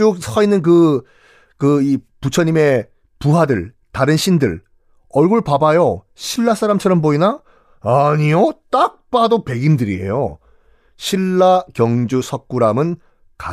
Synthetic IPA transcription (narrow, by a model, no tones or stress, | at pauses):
uk̚sʰʌinːɯnk̬ɯ | kɯiput͡ɕʰʌɲime̞ | puɦadɯɭ | taɾɯnɕʰindɯɭ | ʌɭɡuɭpabajo | ɕʰiɭːasʰaɾamt͡ɕʰʌɾʌmboina | aɲijot͈ak̚p͈adope̞ɡimdɯɾḭe̞̰jo̰ | ɕʰiɭːakjʌŋd͡ʑusʰʌk̚k͈uɾamɯn | ka